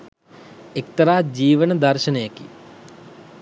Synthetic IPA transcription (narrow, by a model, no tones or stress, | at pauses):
ek̚t̪ɐɾaːd͡ʒiːʋənəd̪ɐɾʃɐnəjɐkḭ